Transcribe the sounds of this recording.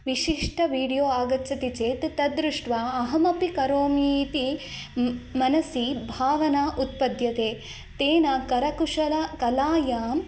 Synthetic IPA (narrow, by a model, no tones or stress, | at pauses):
ʋiʃiʂʈʰɐʋiːɽijoːaːɡɐt͡ʃɐt̪it͡ʃeːt̪t̪ɐd̪ɾuʂʈʋaːɐɦɐmɐpikɐɾoːmiːt̪i | mɐnɐsibʱaːʋɐnaːʔut̪̚pɐd̪jɐt̪eː | t̪eːnɐkɐɾɐkuʂɐlɐkɐlaːjaːm